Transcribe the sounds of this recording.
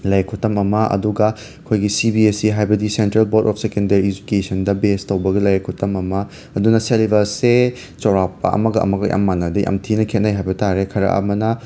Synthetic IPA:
lɐjkʰutːɐmɐmɐʔɐ̰duɡɐ | kʰojɡisibiesiɦajbɐdisentɾelboɾtɔp̚ʰsekendɐɾiːd͡ʒukesɐndɐbestɐwbɐɡelɐjɐkʰutɐmɐmɐ | ɐdunɐselibɐse | t͡ʃɐwɾapːɐ̰ʔɐ̰mɐɡɐʔɐ̰mɐɡɐjʔa̰mːanɐdɐja̰mtʰinɐkʰet̚najɦajbɐtaɾekʰɐɾɐ̰ʔɐ̰mɐnɐ

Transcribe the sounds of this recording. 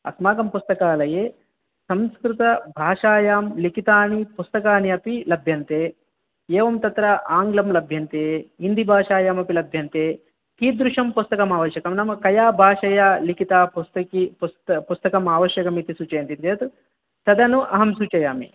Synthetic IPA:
ɐ̰smaːɡɐmpust̪ɐkaːlɐjeː | sɐmskɾut̪ɐbʱaːʂaːjaːmlikit̪aːnipust̪ɐkaːniɐpilɐbʱjɐnt̪eː | jɛːʋɐmt̪ɐt̪ɾɐʔaːŋɡlɐmlɐbʱjɐnt̪eːind̪ʱibʱaːʂaːjaːmɐpilɐbʱjɐnt̪eː | k̪iːd̪ɾuʂɐmpust̪ɐkɐmaːʋɐʃjɐkɐmnɐmɐkɐjaːbʱaːʂɐjaːlikit̪aːpust̪ɐkipust̪ɐpust̪ɐkɐmaːʋɐʃjɐkɐmit̪isuːt͡ʃɐjɐnt̪int̪iet̪u | t̪ɐd̪ɐnuʔɐɦɐmsut͡ʃɐjaːmḭ

